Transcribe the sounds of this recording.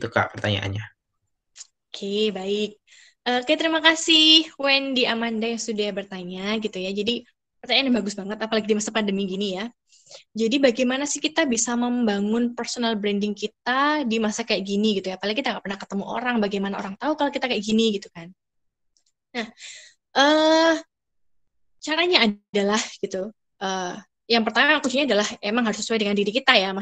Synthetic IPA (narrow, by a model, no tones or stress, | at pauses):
t̪uka̰ʔpərt̪a̰ɲa̰ʔa̰nɲa | okʰebaɪk̚ | ʔəːkajat̪əɾimakasɪhwɛndiʔamandajaŋsudabərt̪aɲaɡit̪ujad͡ʒadi | pərt̪aɲanɲabaɡʊsbaŋət̪apalaɡidimasapandəmiɡinija | d͡ʒadibaɡajmanasɪhkit̪abisaməmbaŋʊnpərsonalbɾɛndɪŋkit̪̚adimasakajaʔɡiniɡit̪ujapalɪŋkit̪aŋaʔpərnahkə̥t̪əmuʔo̰ɾaŋbaɡajmanao̰ɾaŋt̪aukalokit̪akajaʔɡiniɡit̪ukan | nah | ʔəː | t͡ʃaɾaɲaːdalahɡ̥it̪u | ʔəː | jaŋpərt̪amaakunt͡ʃuɲadalahemaŋɦaɾʊsə̥suajdəŋandiɾikit̪ajama